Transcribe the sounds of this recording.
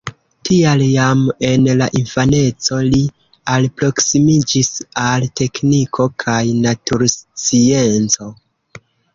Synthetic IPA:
tʰialjame̞nlaʔinfane̞t͡so̞li | alpɾo̞ksimid͡ʒisalte̞knikʰo̞kʰajnatuɾst͡sie̞nt͡so̞

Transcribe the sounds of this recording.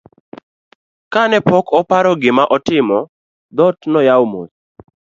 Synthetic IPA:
kanɛpɔkʰɔpaɾɔɡɪmaʔɔtɪmɔ | d̪ɔtnɔjawmos

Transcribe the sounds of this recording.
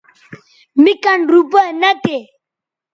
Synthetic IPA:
mikanɾupənatɛ

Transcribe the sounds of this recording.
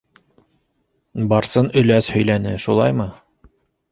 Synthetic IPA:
bɑɾsɤnɵ̆læshɵ̆jlænɘʃulˠɑjmɤ

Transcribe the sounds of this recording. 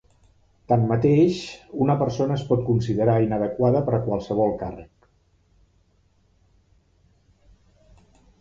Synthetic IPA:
t̪anmət̪eʃunəpəɾsonəːspɔt̪̚kunsiðəɾainəðəkwaðəpəɾəkwalˠsəβ̞ɔlˠkarək

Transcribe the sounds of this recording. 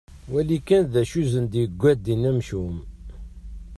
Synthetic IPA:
wælikænðæʃuzənd̪jəɡʷːæd̪inæmʃum

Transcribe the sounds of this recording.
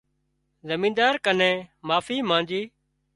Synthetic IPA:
zəmĩːnd̪aːɾkənẽːmaːfiːmãːnd͡ʒiː

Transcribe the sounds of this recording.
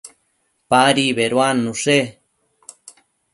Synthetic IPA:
paɾiβeɾwanːuʂe

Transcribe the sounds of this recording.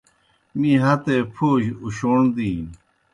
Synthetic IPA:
mĩɦɐt̪epʰoːɕuɕoːɳd̪iː

